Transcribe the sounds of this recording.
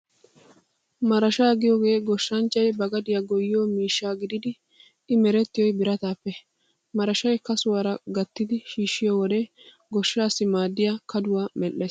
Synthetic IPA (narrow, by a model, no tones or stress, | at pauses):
mɐɾɐʃaːɡɪjoːɡe̞ːɡɔʃːɐnt͡ʃːɐjbɐɡɐd̪ɪjɐɡɔjːɪjoːmiːʃːaːɡɪd̪ɪd̪ɪ | ɪmɛɾɛt̪ːɪjɔjbɪɾɐt̪aːpːɛ | mɐɾɐʃɐjkɐsʊwɐɾɐɡɐt̪ːɪd̪ɪʃiːʃːɪjoːwɔd̪ɛ | ɡɔʃːaːsɪmaːd̪ːɪjakʰɐd̪ʊwaːmɛʔːeːs